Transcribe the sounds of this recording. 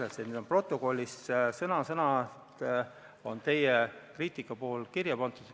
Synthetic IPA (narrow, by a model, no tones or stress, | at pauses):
lɑset̪ned̪ompro̞t̪ˑːoko̞lʲːissɤnɑsɤnɑt̪ | o̞nt̪e̞jekriːt̪ˑikːˑɑpo̞ːlkirjɑpɑnt̪ˑud̪̥